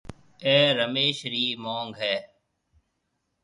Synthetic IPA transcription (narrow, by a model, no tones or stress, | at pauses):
eːɾəmeːʃɾiːmoːŋɡʱɦɛː